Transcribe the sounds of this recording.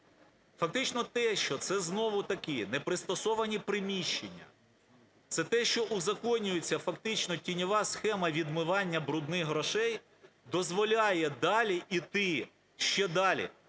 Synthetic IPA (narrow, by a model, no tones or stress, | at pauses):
fɐk̚t̪ɪt͡ʃnɔt̪ɛʃt͡ʃɔt̪sɛznɔʋʊt̪ɐkɪnɛpɾɪst̪ɔsɔʋɐnʲipɾɪmʲiʃt͡ʃenʲːɐ̰ | t̪sɛt̪ɛʃt͡ʃɔʔʊzɐkɔnʲːʊjet͡sʲːɐfɐkt̪ɪt͡ʃnɔtʲinʲɔʋɑsxɛmɐʋʲid̪mɪʋɑnʲːɐbɾʊd̪nɪxɦɾɔʃɛj | d̪ɔzʋɔlʲɑjɛd̪ɑlʲiʔit̪ɪ | ʃt͡ʃɛd̪ɑlʲḭ